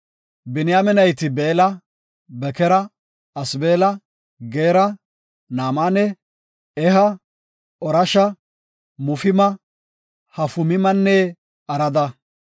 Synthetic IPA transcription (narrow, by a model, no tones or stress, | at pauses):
bɪnɪjamɛnɐjt̪ɪbeːlɐ | bɛkɛɾɐ | ɐsbe̞ːlɐ | ɡeːɾɐ | naːmaːnɛ | ɛɦɐ | ɔɾɐʃɐ | mʊfɪmɐ | hɐfʊmɪmɐnːɛ | ɐɾɐd̪ɐ